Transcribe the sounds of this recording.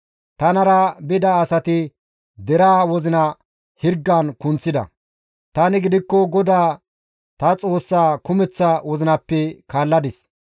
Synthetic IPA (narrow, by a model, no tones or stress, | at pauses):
t̪ɐnɐɾɐbɪd̪ɐːsɐt̪ɪ | d̪ɛɾaːwɔzɪnɐ | hɪɾɡːɐnkʊnt͡sːɪd̪ɐ̰ | t̪ɐnɪɡɪd̪ɪkːɔɡɔd̪aː | t̪ɐt͡sʼo̞ːsːaːkʊmɛt͡sːɐwɔzɪnɐpːɛkaːlːɐd̪ɪs